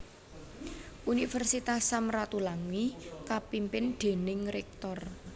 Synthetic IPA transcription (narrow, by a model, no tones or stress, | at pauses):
ʔunifɛrsit̪asːamrat̪ulaŋwikapimpɪnɖ̪̥e̤nɪŋɾɛk̚t̪ɔr